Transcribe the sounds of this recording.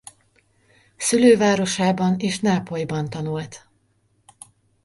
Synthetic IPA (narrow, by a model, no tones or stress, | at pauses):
syløːvaːɾo̞ʃaːbɒneːʃnaːpojbɒnt̪ɒnult̪